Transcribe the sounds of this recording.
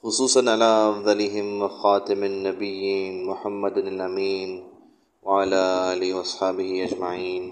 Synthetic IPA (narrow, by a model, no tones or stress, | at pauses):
xʊsˤuːsˤɑnʕalaːʔʔɑfðˤɑlɪɦɪmwxɑːt̪ɪmanːabɪjːiːnmʊħamːad̪alʔamiːn | waʕalaːʔʔaːlɪhwʔɑsˤħɑːbɪhɪʔad͡ʒmaʕiːn